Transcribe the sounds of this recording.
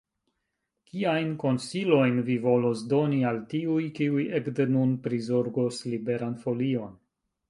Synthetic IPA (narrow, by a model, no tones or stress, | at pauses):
kiajnko̞nsilo̞jnvivo̞lo̞sdo̞nialtiujkiujekdenunpɾizo̞ɾɡo̞slibe̞ɾanfo̞lio̞n